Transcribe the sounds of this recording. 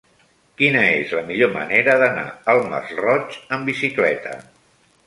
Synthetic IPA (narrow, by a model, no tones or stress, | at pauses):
kinəezləmiʎomə̰neɾəðəna̰əlˠmə̰srɔt͡ʃəmbisiklɛt̪ʰə